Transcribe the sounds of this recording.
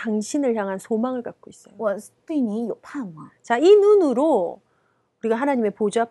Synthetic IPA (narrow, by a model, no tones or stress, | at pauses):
taŋɕʰinɯɭçjaŋɦansʰomaŋɯɭkak̚k͈ois͈ʌjowʌstiɲijopʰamt͡ɕainunɯɾo | uɾiɡaɦanaɲime̞pod͡ʑa